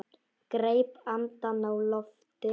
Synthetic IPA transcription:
ɡ̥ɾejpamt̪anawlɔf | d̪̥e

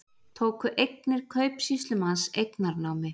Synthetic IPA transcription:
t̪ʰoːwkʏʔejk̚nɪɾ̥kʰœːɥpsist̪ʏmansejknaɾnaːwmɪ

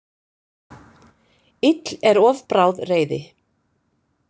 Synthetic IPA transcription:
ɪt̪lɛɾɔːvpɾaːwðreːjðɪ

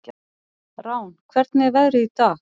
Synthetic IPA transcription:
ɾaːwnkʰvɛɾt̪nɛvɛðɾɪit̪a

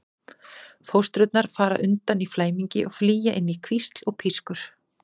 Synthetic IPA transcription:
fowst̪ɾʏt̪̚naɾ̥faːɾa̰ʔʏnt̪aniflaːjmiɲcɪʔɔɣfliːjaʔɪnːikʰvist̪lɔɣpʰiskʏɾ̥

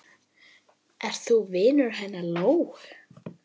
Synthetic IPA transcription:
ʔɛr̥t̪θuvɪːnʏɾ̥ɦajnːaloːwx

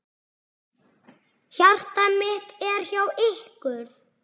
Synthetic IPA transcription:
çar̥t̪amɪht̪ɛɾ̥çjawɪhkʏɾ

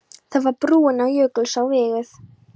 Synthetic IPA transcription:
θaðvaɾpɾuːɪnawjœːklsawvɪːɣɪθ

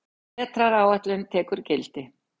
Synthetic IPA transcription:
ɛt̪ɾaɾawaht̪lɛnt̪ʰɛːkʏɾcɛlt̪ɪ

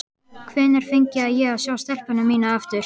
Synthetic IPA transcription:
kʰvɛːnɛɾ̥fɪɲcɪaðjɛɣaðsjaːwst̪ɛl̥pʏnamiːnaɛft̪ʏɾ̥

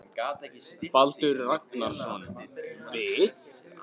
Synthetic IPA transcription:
palt̪ʏɾrak̚naɾ̥svɔnɪvɪt̪

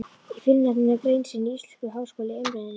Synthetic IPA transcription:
ifɪlnat̪nɪnakɾejnsɪnːiist̪ʏ̥hkʏɦaːwskoːlɪœjmɾɛða

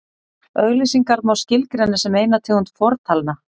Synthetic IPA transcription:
œɣlisiŋkaɾmawscɪlkɾɛnːɪsɛmeːjnat̪ʰɪːɣunt̪fɔɾt̪ʰalna

